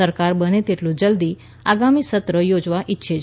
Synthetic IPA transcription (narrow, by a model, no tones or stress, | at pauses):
əɾkaɾbənet̪iʈ̪ʰlũd͡ʑəld̪iː | aɡamiːsət̪ɾəjod͡zʋaʔitːɕʰe